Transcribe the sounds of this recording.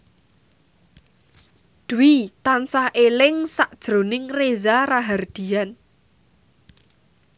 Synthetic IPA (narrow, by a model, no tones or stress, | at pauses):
d̪̥uwit̪ansahʔelɪŋsaʔd̥ʒ̥ɾo̤nɪŋrezaraɦard̪̥i̤an